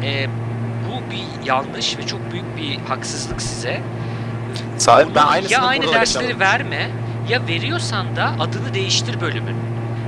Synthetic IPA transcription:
ɛː | bubi | janˠɡmˠɯʃvɛt͡ʃʰok̚byjyc̚bihaksɯzlˠɯksizɛ | sajnjaajnɯd̪æɾslʲeɾivæɾmɛ | jave̞ɾijo̞ɾsand̪aʔad̪ɯnˠɯd̪e̞jiʃt̪ʰiɾbø̞lʲymy̰n

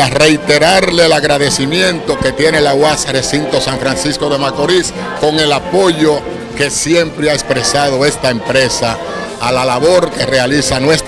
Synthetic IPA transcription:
are̞jt̪e̞ɾaɾle̞laɣɾaðe̞simjẽ̞nt̪o̞ke̞t̪je̞ne̞lawasre̞sint̪o̞saɱfɾansisko̞ðe̞mako̞ɾis | ko̞ŋe̞lapo̞ʝo̞ | ke̞sje̞mpɾeaespɾe̞sað̞o̞e̞st̪aempɾe̞saː | lalaβo̞ɾke̞re̞alisanwest

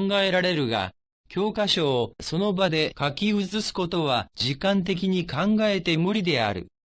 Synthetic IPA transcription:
ŋɡae̞ɾaɾe̞ɾɯ̟ɡa̰ | kʲo̞ːkaɕo̞ːso̞no̞bad̪e̞kakʲiɯ̟t͡sɨsɨ̥ko̞t̪o̞βad͡ʑikãnt̪̬e̞k̬ʲiɲ̟ikãŋɡae̞t̪e̞moɾʲid̪e̞a̰ɾɯ̟̰

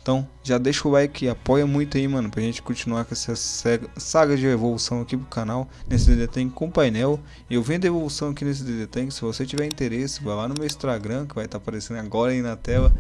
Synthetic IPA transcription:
t̪ɐ̃w̃ | ʒad̪ejʃʊʊbajkɪapɔjɐmũj̃t̪ʊɐimɐ̃nʊpɾɐʒẽnt͡ʃɪ̥kõt͡ʃinuaɾkɛsɐɛsaɡɐd͡ʒɪevolusɐ̃w̃ɐkipɾʊkanawnesɪd̪ed̪et̪ẽj̃kɪkõʊpajnɛw | ɪewvĩɐd̪evolusɐ̃w̃ɐkines̬ɪd̪ed̪et̪ẽj̃kɪ̥sɪvoset͡ʃivɛɾĩnt̪eɾesɪ̥vajlanʊmewist̪ɾaɡɾɐ̃kɪvajt̪apaɾesẽnd̪ʊaɡɔɾɐinɐt̪ɛlɐ

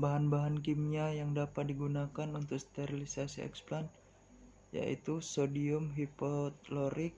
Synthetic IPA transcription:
baɦanbaɦank̬imɲajaŋdapat̪̚diɡunakanunt̪ʊk̚st̪ɛɾilisasiɛ̰ksplan | ja̰ʔḭt̪usodiʊmɦipɔt̪̚loɾɪk̚

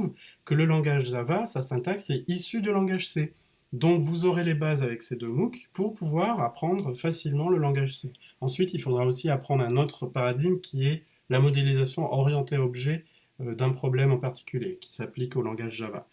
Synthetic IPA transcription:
vkələlɑ̃ɡaʒzavasasɛ̃t̪aksɛisyd̪ylɑ̃ɡaʒse | d̪ɔ̃kvuzɔʁelebazavɛksed̪ømukpuʁpuvwaʁapχɑ̃d̪ʁfasilmɑ̃ləlɑ̃ɡaʒseɑ̃sɥit̪ilfod̪ʁaosiapχɑ̃d̪ʁɛ̃not̪χəpaʁad̪iɡmkʲiɛ | lamɔd̪elizasjɔ̃ʔɔʁjɑ̃t̪eɔbʒɛ | ød̪ɛ̃pχɔblɛmɑ̃paʁt̪i̥kʲyljekʲi̥saplikolɑ̃ɡaʒzava̰

